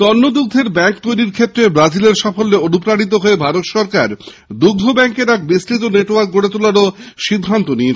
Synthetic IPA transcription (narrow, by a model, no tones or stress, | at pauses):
t̪ɔnːod̪uɡ̚d̪ʱeɾbɛŋk̚t̪ojɾiɾkʰet̪ːɾebɾad͡ʑileɾʃɔfolːeonupɾaɽit̪̬oɦoebʱaɾot̪ʃɔɾkaɾ | d̪uɡd̪ʱobɛŋkeɾak̚besʈɾit̪̬oneʈoaɾkɡoɾet̪ulaɾoʃid̪ʱːant̪onie